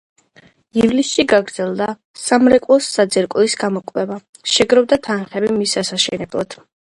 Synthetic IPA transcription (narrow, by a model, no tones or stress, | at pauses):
ivlisʃiɡaɡɾd̪z̥ɛlˠd̪a | samɾɛkʼwlˠɔsːad̪zɛɾkʼlisɡamɔkʼwɛva | ʃɛɡɾɔvd̪at̪ʰanχɛbimisasaʃɛnɛblˠa̰d̪̥